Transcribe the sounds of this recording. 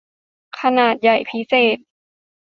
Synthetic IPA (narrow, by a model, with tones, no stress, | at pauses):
kʰa˧naː˨˩t̪̚ja˨˩jpʰi˦˥seː˨˩t̪̚